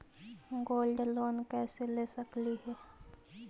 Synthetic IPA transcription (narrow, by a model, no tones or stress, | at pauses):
ɡoːlɖloːnkɛːseleːsəkliɦɛː